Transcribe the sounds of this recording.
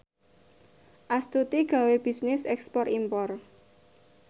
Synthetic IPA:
ʔast̪ut̪iɡ̥ä̤web̥i̤snɪsɛkspɔrimpɔr

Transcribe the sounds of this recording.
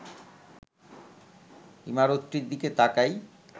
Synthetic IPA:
ḭmaɾot̪ːɾiɾd̪iket̪akaj

